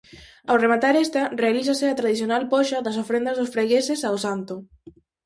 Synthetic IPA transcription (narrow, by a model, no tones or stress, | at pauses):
awremat̪aɾɛst̪ɐrealiθɐsɪat̪ɾaðiθjonalpɔʃɐðɐs̬ofɾend̪ɐzðʊsfɾeɣesesaosant̪ʊ